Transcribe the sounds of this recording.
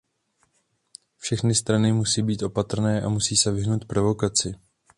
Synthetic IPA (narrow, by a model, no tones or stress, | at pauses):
fʃɛxnɪst̪ɾanɪmusiːbiːt̪ʔo̞pat̪r̩nɛːʔamusiːsɛvɪɦnowt̪̚pɾo̞vo̞kat͡sɪ